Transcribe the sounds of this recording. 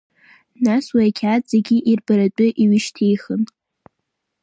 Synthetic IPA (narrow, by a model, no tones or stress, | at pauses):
naswaakʲʰatʼz̥eɡʲiʔirbaɾat͡pʷʼʊʔiɥɪʃtʰejχən